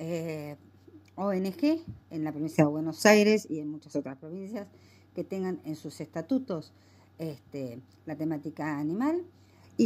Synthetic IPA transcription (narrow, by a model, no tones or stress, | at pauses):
e | oenexeenlapɾoĩnsjaðeβwenosajɾe̞sienmut͡ʃaso̞t̪ɾaspɾo̞βinsjas | ket̪e̞ŋɡanensusest̪at̪ut̪o̞s | est̪e | lat̪e̞mat̪ikaːnĩmal | i